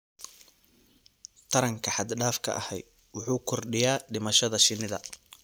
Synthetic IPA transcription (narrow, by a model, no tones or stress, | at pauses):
t̪ʰɐɾɐŋkʰɐħɑd̪ɖaːfkʰɐ̰ʔɐ̰hɛjd̪ | wʊħuːkʰɔrɖɪjaːɖɪmɐʃɐðɐʃɪnɪðɐ̰